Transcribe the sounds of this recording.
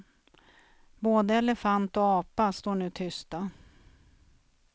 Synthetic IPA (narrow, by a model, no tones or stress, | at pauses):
boːd̪əɛlɛfant̪ɔɑːpast̪oːɳʉ̟ːt̪ʰʏst̪a